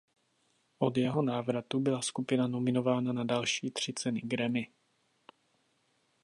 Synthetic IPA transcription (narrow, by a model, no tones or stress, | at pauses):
ʔod̪jɛɦo̞naːvɾat̪ubɪlaskupɪnano̞mɪno̞vaːnanadalʃiːt̪r̝̥ɪt͡sɛnɪɡɾɛmɪ